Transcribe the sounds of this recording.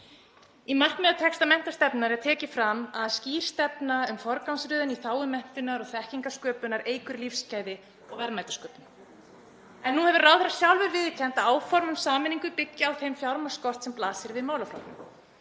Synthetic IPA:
imar̥knmɛːðat̪ʰɛkst̪amɛn̥t̪ast̪ɛpnɪnaɾɛat̪ʰɛːcɪfɾamaðsciːɾ̥st̪ɛpnaʏmfɔɾkawnsɾʏːðʏniθaːwɪmɛn̥t̪ɪnaɾɔɣθɛhciŋkaskœːpʏnaɾeːjkʏɾlifscaːjðɪ | ɔɣvɛɾmajt̪ḁskœːpnɪ | ɛnːuhɛvʏɾrawθɾḁsjawlvɛɾvɪːðcʰɛn̥t̪aaːwfɔɾmʏmsaːmɪniŋkʏpɪcːɪawθejmfjawɾmḁskɔr̥t̪sɛmplaːsɪɾvɪðmaːwlafɾa̰w̪ʏ̰m

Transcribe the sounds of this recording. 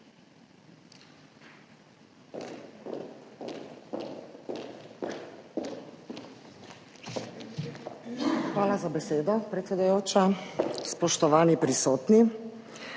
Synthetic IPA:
xʋaːlazabɛseːd̪ɔpɾɛt̪sɛd̪ujoːt͡ʃaspɔʃt̪ɔʋaːnipɾisoːt̪ni

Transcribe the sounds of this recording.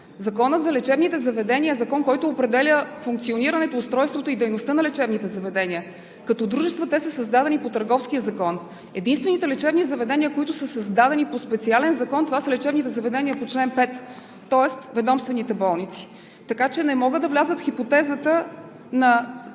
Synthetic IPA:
zɐkɔnət̪zɐlɛt͡ʃɛbnit̪ɛzɐvɛd̪ɛnʲiəɛzɐkɔnkɔjt̪oːpɾɛd̪ɛlʲəfuŋk̚t̪sioniɾənɛt̪oːst̪ɾɔjst̪vot̪oid̪ɛjnost̪ənɐlɛt͡ʃɛbnit̪ɛzɐvɛd̪ɛniə | kɐt̪ɔd̪ɾuʒɛst̪vət̪ɛsəsəzd̪ad̪ɛnipot̪əɾɡɔfskijəzɐkɔn | ɛd̪inst̪vɛnit̪ɛlɛt͡ʃɛbnizɐvɛd̪ɛnʲiəkoit̪ʊsəsɐzd̪ad̪ɛnipospɛt̪sialɛnzɐkɔnt̪ovasəlɛt͡ʃɛbnit̪ɛzɐvɛd̪ɛniəpot͡ʃlɛnpɛt̪ː | ɔɛst̪vɛd̪ɔmst̪vɛnit̪ɛbɔlˠnit̪si̥ | t̪ɐkat͡ʃɛnɛmɔɡəd̪ɐvlʲazət̪fxipot̪ɛzət̪ə | nɐ

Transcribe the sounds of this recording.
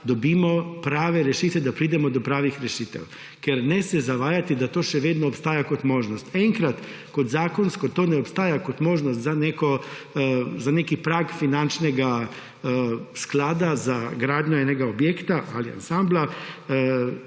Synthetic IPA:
d̪ɔbiːmɔpɾaːʋɛɾɛʃiːt̪ʋɛd̪apɾiːd̪ɛmɔd̪ɔpɾaːʋixɾɛʃiːt̪ɛ̰w | kɛɾnɛsɛzaʋaːjat̪id̪at̪oːʃɛʋeːd̪nɔːpst̪aːjakot̪moːʒnɔst̪ɛŋkɾat̪ | kɔd̪zaːkɔnskɔt̪oːnɛɔpst̪aːjakot̪moːʒnɔst̪zanekɔ | zanekipɾaːkfinant͡ʃnɛɡa | sklaːd̪azaɡɾaːd̪ɲjɔɛnɛɡaobjeːkt̪aʔa̰lia̰nsambla

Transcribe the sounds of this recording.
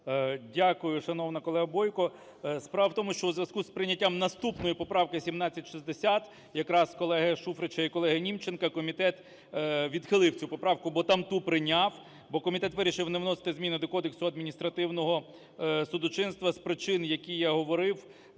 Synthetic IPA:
dʲakʊjʊʃɐnɔwnɐkɔlˠɛɦɐbɔjkɔ | spɾɑʋɐwt̪ɔmʊʃt͡ʃɔuzʲʋʲjɐskuspɾɪnʲːɐtʲːamnɐst̪upnɔjʊpɔpɾɑwkɪsʲimnɑt͡sʲːɐtʲʃizd̪esʲat̪ | jɐkɾɑskɔlˠɛɦɐʃufɾet͡ʃɐikɔlˠɛɦɐnʲimt͡ʃenkɐkɔmʲit̪ɛt̪ | ʋʲid̪xɪlˠɪwt͡sʲupɔpɾɑwkʊbɔt̪ɑmt̪upɾɪnʲɑw | bɔkɔmʲit̪ɛt̪ʋɪɾʲiʃɪwnewnɔse̥t̪ɪzmʲinɪd̪ɔkɔd̪eksʊɐd̪mʲinʲist̪ɾɐt̪ɪwnɔɦɔ | sʊd̪ʊt͡ʃɪnst̪ʋɐspɾɪt͡ʃɪnjɐkʲijjaɦɔʋɔɾɪw

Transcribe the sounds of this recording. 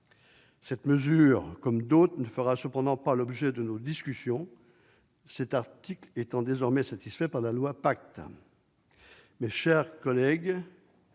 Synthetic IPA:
sɛt̪məzyʁkɔmd̪ot̪χnəfəʁasəpɑ̃d̪ɑ̃palɔbʒɛd̪ənod̪iskʲysjɔ̃ | sɛt̪aʁt̪iklet̪ɑ̃d̪ezɔʁmɛsat̪isfɛpaʁlalwapak̚t̪ | mɛʃɛʁkɔlɛɡ

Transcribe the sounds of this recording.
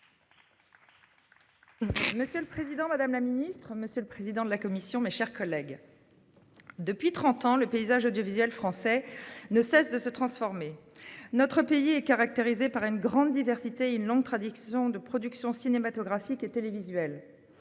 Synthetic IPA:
məsjøləpχezid̪ɑ̃mad̪amlaminist̪χməsjøləpχezid̪ɑ̃d̪əlakɔmisjɔ̃meʃɛʁkɔlɛɡ | d̪əpɥit̪χɑ̃t̪ɑ̃ləpeizaʒod̪jovizɥɛlfχɑ̃sɛnəsɛsd̪əsət̪χɑ̃sfɔʁmenɔt̪χəpeiɛkaʁak̚t̪eʁizepaʁynɡʁɑ̃d̪ːivɛʁsit̪eynlɔ̃ŋɡt̪χad̪isjɔ̃d̪əpχɔd̪yksjɔ̃sinemat̪ɔɡʁafiket̪elevizɥɛl

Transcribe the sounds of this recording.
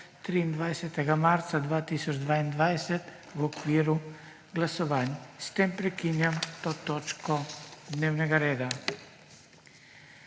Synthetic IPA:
t̪ɾiːnd̪ʋajsɛt̪ɛɡamaɾt̪sad̪ʋaːt̪isɔd͡ʒd̪ʋaːind̪ʋajsɛt̪ | wɔkʋiːɾu | ɡlasɔʋaːnʲst̪empɾɛkinjamt̪ot̪oːt͡ʃkɔd̪neːwnɛɡaɾeːd̪a

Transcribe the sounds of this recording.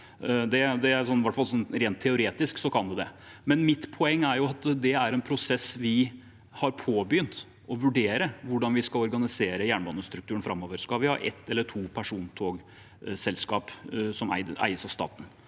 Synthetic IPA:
d̪ɛd̪ɛæɾsɔnːʋæʈfɑlsɔnɾeːnt̪ʰːɛʊɾeːt̪ɪsksɔkʰɑnd̪ɛd̪ɛ̰ | mɛnmɪt̪pʰɔɛŋːæɾjʊɑt̪d̪ɛæɾɛnpʰɾʊsɛsʋɪ | hɑɾpʰoːbjʏnt̪ | ɔʋʉɖeːɾəʋʊɖɑnʋɪskɑlɔɾɡɑnɪseːɾəjæːɳbɑnːəst̪ɾʉk̚t̪ʉːənfɾɑmːɔʋəɾskɑʋɪhɑ̰ɾʔɛ̰t̪ːɛlːəʈʰuːpʰæʂuːnt̪ʰoːɡ | sɛlskɑːpsɔmæ̰ɪʔæ̰ɪəsɑst̪ɑ̰ːt̪n̩

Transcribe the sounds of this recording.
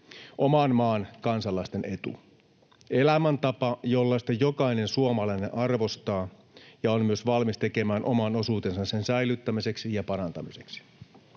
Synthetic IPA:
ʔomɑnmɑːnkɑnsɑlːɑist̪ene̞t̪ṵ | ʔelæmænt̪ɑpɑjolːɑsi̥t̪ɑjokɑine̞nsuomɑlɑineʔɑrʋo̞st̪ɑː | jɑonmyøsʋɑlmist̪eke̞mæːnʔo̞mɑno̞suːt̪e̞nsɑsːe̞nsæilyt̪ːæmise̞ksijɑpɑɾɑnt̪ɑmiseksi̥

